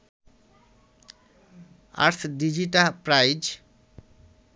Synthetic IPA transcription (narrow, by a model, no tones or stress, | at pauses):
a̰ɾt̪ʰɖid͡ʒiʈapɾajd͡ʒ